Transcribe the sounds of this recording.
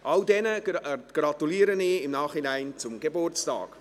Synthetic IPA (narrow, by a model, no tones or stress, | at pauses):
ʔɑldɛnəɡ̥rɑtuliːəɾəniɪmnɑːχinɛɪnt͡sʊmɡebʊrt͡stɑ̰ːk